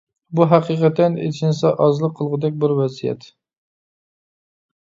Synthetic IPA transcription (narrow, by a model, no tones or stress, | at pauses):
buɦæqiqɛt̪ːɛnḛt͡ʃʰinsɛʔɑzlˠəqʰːəlˠʁʊd̪ɛk̚ʲbɪɾwɛzijɛ̰t̪